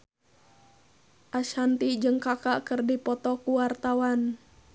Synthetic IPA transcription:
ʔaʃhant̪id͡ʒɨŋkakaʔkərdipɔt̪ɔkuwart̪awan

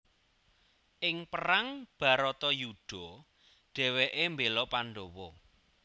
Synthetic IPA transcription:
ʔɪŋpəɾaŋb̥a̤ɾɔt̪ɔjuɖ̥ɔ̤ | ɖ̥ɛ̤weʔembelɔpaɳɖowɔ

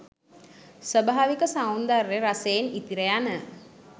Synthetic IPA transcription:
səbaaːʋikəsawnd̪arːeɾaseːnit̪iɾəjanə

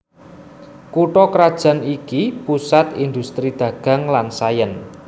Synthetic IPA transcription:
kuʈɔkɾad̥ʒ̥a̤nikipusat̪ind̪ṳst̪ɾid̪̥ä̤ɡ̥a̤ŋlansajən

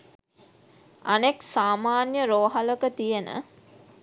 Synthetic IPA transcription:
aneksaːmaːnjəɾoːɦaləkət̪ijenə̰

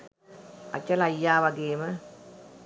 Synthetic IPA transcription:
a̰t͡ʃːəlajːaːʋaɡeːmə

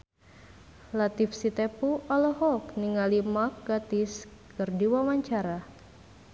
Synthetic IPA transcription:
lat̪ifsit̪epuʔalɔɦɔkniŋalimak̚ɡat̪is | kərdiwamaɲt͡ʃaɾa

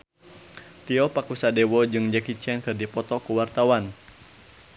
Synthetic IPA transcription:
t̪iɔpakusadɛwɔd͡ʒɨŋd͡ʒakit͡ʃɛnkɨrdipɔt̪ɔkuwart̪awan

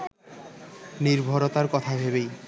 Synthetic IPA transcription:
niɾbʱoɾot̪aɾkɔt̪ʰabʱebej

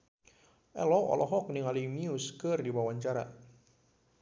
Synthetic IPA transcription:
ʔɛlɔɔ̰lɔɦɔk̚nɪŋalimiuskərdibawaɲt͡ʃaɾa̰

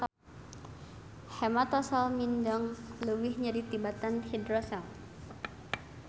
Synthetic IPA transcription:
hɛmat̪ɔsalmindaŋləwɪhɲadit̪ibat̪anhidɾɔsal

